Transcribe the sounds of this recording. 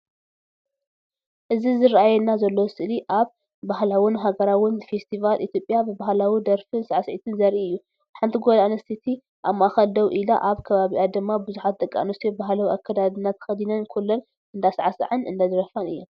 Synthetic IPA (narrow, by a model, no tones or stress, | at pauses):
ʔɨzizɨɾaʔajɛnːazɐlːosɨʔliʔaβː | ahlawʊnɦaɡɐɾawʊnfest̪ʰivalʔit̪ʰjo̞pʼːjabɨbahlawid̪ɐɾfɨnsaʕasʕit̪ʰɨnzɐɾʔiɨjːu | ħant̪ʰiɡolaanɐst̪ʰit̪ʰi | ʔamːaʔaxɐld̪ɐwʔilaʔaβkʰɐβaβiʔad̪ɨmːabɨzuħat̪̚d̪ʼɐkʼːa̰nust̪ʰibaɦlawiʔakʰːɐd̪ad̪ɨnːat̪ʰxɐd̪inɐnkʰulːon | ɨnd̪asʕasa̰ʕɨnɨ̰nd̪ad̪ɨɾɐfanɨ̰jːum